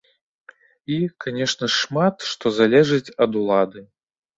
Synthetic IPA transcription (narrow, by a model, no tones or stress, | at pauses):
ikanʲɛʂnɐʂmat̪ʂt̪ɔzalʲɛʐɨt͡sʲɐd̪ulˠad̪ɨ